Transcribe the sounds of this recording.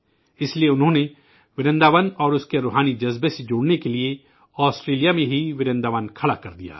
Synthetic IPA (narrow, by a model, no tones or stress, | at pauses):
ɪslieʊnɦõːne | ʋɪɾɛ̃nd̪aːʋənɔːɾʊskeɾʊːɦaːnid͡ʒɐzbesed͡ʒoːɽnekelɪe | ɔːsʈɾeːlijaːmẽɦiʋɪɾɛ̃nd̪aːʋankʰɐɽakɐɾd̪ija̰ː